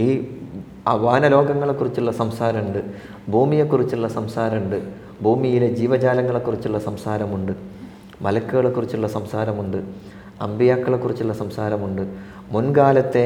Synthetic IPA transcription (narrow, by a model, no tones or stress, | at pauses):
iː | ɐʋaːnɐlo̞ːɡɐŋːɐɭe̞kːurit͡ɕːuɭːɐsɐmsaːɾɐmuɳɖɨ | bʱuːmije̞kːurit͡ɕːuɭːɐsɐmsaːɾɐmuɳɖɨ | bʱuːmijiled͡ʑiːʋɐd͡ʑaːlɐŋːɐɭe̞kːurit͡ɕːuɭːɐsɐmsaːɾɐmuɳɖɨ | mɐlɐkːuɣɐɭekːurit͡ɕːuɭːɐsɐmsaːɾɐmuɳɖɨ | ɐ̰mbijaːkːɐɭe̞kːurit͡ɕːuɭːɐsɐmsaːɾɐmuɳɖɨ | munɡaːlɐt̪ːe̞